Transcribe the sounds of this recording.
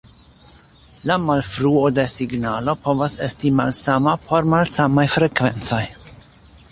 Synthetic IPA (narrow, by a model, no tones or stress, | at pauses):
lamalfɾuode̞siɡnalo̞po̞vase̞stima̰lsamapʰo̞ɾmalsamajfɾe̞kve̞nt͡so̞j